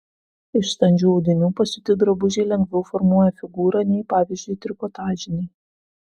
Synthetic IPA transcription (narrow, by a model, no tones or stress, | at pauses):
ɪʃst̪ɐnʲd͡ʒʲuːɐʊd̪ʲɪnʲuːpɐsʲʊt̪ʲɪd̪ɾɐbʊʒʲɛɪlʲɛŋʲɡʲʋʲɛʊfɔɾmuɔjɛfʲɪɡuːɾɐnʲɛɪpɑːʋʲɪzʲd͡ʒʲʊjt̪ʲɾʲɪkɔt̪ɑːʒʲɪnʲɛɪ